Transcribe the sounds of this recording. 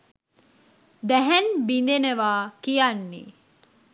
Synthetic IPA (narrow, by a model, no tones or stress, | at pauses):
d̪æɦænbind̪eneʋaːkijanːḭ